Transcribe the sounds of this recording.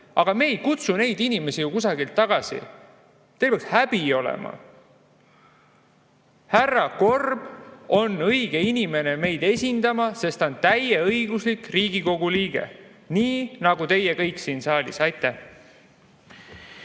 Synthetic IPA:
ɑɡ̥ɑme̞ːjkut̪sune̞jd̪̥inime̞sijukusɑɡilt̪ːɑɡ̥ɑsḭ | t̪elpeɑkshæb̥io̞lḛmʔɑ̰ | hærːɑko̞rb̥o̞nɤ̞jɡ̥e̞inime̞ne̞me̞jd̪e̞sʲind̪ɑmɑse̞st̪ont̪æjeɤjɡ̥uslikriːɡ̥iko̞ɡ̥uliːɡ̥ḛ | niːnɑɡut̪e̞jekɤjksiːnsɑːlʲḭsɑjt̪ːˑæh

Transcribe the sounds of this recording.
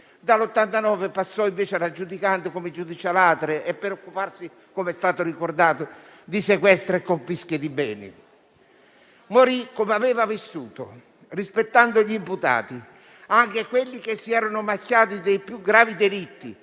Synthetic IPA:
d̪alot̪ːant̪anɔːvepasːɔiɱveːt͡ʃɪɾad͡ʒːud̪ikand̪ʊkomɪd͡ʒud̪it͡ʃalaːt̪ɾeʔɛpːɾeokːuparsi | komɛst̪aːt̪ʊrikord̪aːt̪ʊd̪isekwɛst̪ɾekːoɱfisked̪ibɛːnɪ̰ | moɾikːomeavɛːvavisːuːt̪o | rispet̪ːand̪ʊʎiimput̪a̰ːt̪i | aŋkekwelːik̟esːiɛːɾonʊmakːjaːt̪̬id̪ejpjuɡɾaːvid̪elit̪ːi

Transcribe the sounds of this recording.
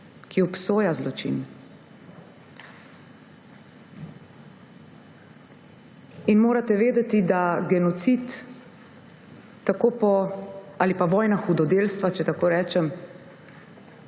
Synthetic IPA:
kiɔpsoːjazlɔt͡ʃḭn | inmoːɾat̪ɛʋeːd̪ɛt̪id̪aɡɛnɔt̪sit̪ | akoːpɔaːlipaʋɔːjnaxud̪ɔd̪eːlst̪ʋat͡ʃɛt̪akoːɾɛːt͡ʃɛm

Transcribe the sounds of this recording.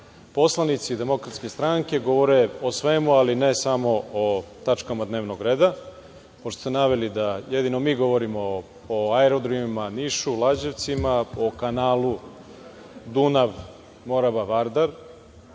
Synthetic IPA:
po̞slˠanit̪sid̪e̞mo̞kɾat̪ske̞st̪ɾaŋke̞ɡo̞ʋo̞ɾeosʋe̞mualinesamo̞ot̪at͡ʃkamad̪ne̞ːʋno̞ɡɾe̞ːd̪a | poʃt̪o̥senaʋe̞lid̪aje̞d̪ino̞miːɡo̞ʋo̞ɾimo̞ | oaeɾod̪ɾimimaniʃulˠad͡ʑeʋt̪simaokanaːlˠu | d̪unaʋ | mo̞ɾabaʋaɾd̪aɾ

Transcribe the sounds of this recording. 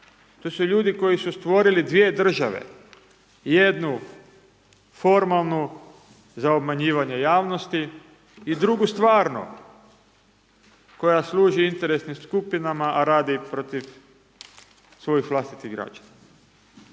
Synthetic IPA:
t̪osuʎuːd̪iko̞jisust̪ʋo̞ɾilid̪ʋie̞d̪r̩ʒaʋḛ | jed̪nu | fo̞ɾmalˠnu | zaobmaɲiːʋaɲejaːʋnost̪i | id̪ɾuɡust̪ʋaːɾnṵ | ko̞jasluːʒiint̪e̞ɾe̞snimskupinamaʔaɾaːd̪ipɾot̪iʋ | sʋo̞jixʋlˠast̪i̥t̪iɣɡɾa̰d͡ʒana

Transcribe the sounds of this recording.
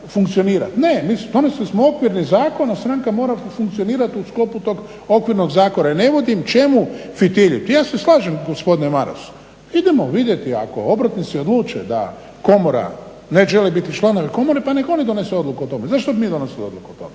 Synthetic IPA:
fuŋkt̪sio̞niːɾa̰t̪ne̞miːsd̪o̞neslismookʋiɾnizaːko̞nast̪ɾaŋkamo̞ːɾafuŋk̚t̪io̞niːɾat̪usklo̞put̪o̞ɡ | o̞kʋiɾno̞ɡzaːko̞naine̞ʋo̞d̪imt͡ʃe̞mufit̪iʎit̪ijaːse̞slˠaːʒemɡospo̞d̪inemaɾa̰su̥ | id̪emoʋid̪je̞t̪ia̰ko̰o̞bɾat̪nit̪sio̞d̪luːt͡ʃḛd̪a̰ | ko̞moɾa̰ | neʒelebit̪it͡ʃlˠano̞ʋeko̞moɾepaneɡo̞nid̪o̞neseo̞d̪lukuot̪o̞mezaʃt̪obimiːd̪o̞neslio̞d̪lukuot̪o̰me

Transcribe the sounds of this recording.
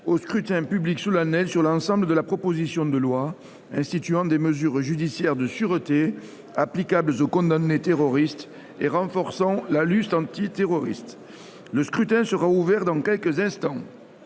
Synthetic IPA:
oskχyt̪ɛ̃pybliksɔlanɛlsyʁlɑ̃sɑ̃bləd̪əlapχɔpozisjɔ̃d̪əlwa | ɛ̃st̪it̪yɑ̃d̪eməzyʁʒyd̪isjɛʁd̪əsyʁət̪e | aplikabləzokɔ̃d̪anːet̪eʁɔʁist̪ | eʁɑ̃fɔʁsɑ̃lalyst̪ɑ̃t̪it̪eʁɔʁḭst̪ | ləskχyt̪ɛ̃səʁauvɛʁd̪ɑ̃kʲɛlkəzɛ̃st̪ɑ̃

